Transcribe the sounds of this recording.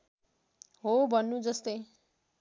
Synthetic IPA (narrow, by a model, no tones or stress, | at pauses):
ɦobʱʌnːud͡zʌst̪ʌj